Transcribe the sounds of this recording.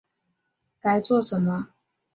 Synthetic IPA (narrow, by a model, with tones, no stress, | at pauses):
ka˧˥ɪt͡swɔ˥˨ʂə˨˦nmə˦